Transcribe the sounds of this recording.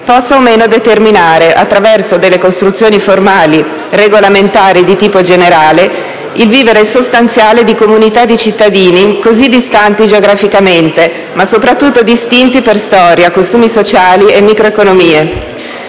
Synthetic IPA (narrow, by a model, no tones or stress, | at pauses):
pɔsːaomeːnod̪et̪erminaːɾeʔa̰t̪ːɾavɛrsod̪elːekost̪ɾut̪sjoːniformaːli | reɡolament̪aːɾid̪it̪iːpod͡ʒeneɾaːle | ilviːveɾesost̪ant̪sjaːled̪ikomunit̪ad̪ːit͡ʃit̪ːad̪iːnikozid̪ist̪ant̪id͡ʒeoɡɾafikament̪e | masopɾat̪ːut̪ːod̪ist̪int̪iperst̪ɔːɾjakost̪uːmisot͡ʃaːliemːikɾoekonomiːe